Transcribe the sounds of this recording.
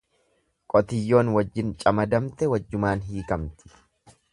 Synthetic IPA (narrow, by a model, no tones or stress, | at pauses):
kʼɔt̪ɪjːo̞ːnwɐd͡ʒːɪnt͡ʃʼɐmɐd̪ɐmt̪ɛwɐd͡ʒːʊmaːnɦiːkɐmt̪ɪ̥